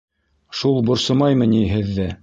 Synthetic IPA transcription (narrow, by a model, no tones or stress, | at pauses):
ʃulˠbŏɾsɤ̆mɑjmɤniɦɘ̆ðːɘ